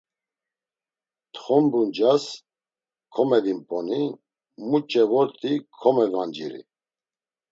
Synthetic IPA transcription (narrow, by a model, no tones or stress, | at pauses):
t̪ʰʼχɔmbund͡ʒas | kʰɔmɛd̪impʼɔni | mut͡ʃʼɛvɔɾt̪ʰʼikʰɔmɛvand͡ʒḭɾḭ